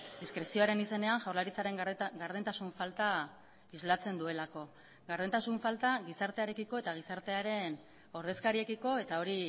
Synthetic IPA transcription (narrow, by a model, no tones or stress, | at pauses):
d̪iskɾe̞sio̞aɾe̞nise̞ne̞aŋʝawɾlaɾit͡saɾe̞ŋɡaɾð̞ent̪asuɱfalt̪a | izlat͡se̞nd̪ue̞lako̞ | ɡaɾðent̪asuɱfalt̪aɣisaɾt̪e̞aɾe̞kiko̞e̞t̪aɣ̞isaɾt̪e̞aɾe̞n | o̞ɾðe̞skaɾie̞kiko̞e̞t̪ao̞ɾi